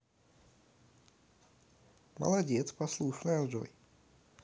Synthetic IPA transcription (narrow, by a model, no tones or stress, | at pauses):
mɐ̰lˠadʲet̪spaslˠuʂnalʐo̰j